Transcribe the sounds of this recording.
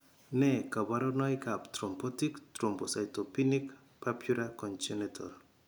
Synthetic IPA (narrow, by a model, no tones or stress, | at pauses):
nɛkabaɾɔnɔjkapt̪ɾɔmpɔtiktɾɔmbɔsajtɔpinik | papjuɾakɔnt͡ʃenetʰɔ̰l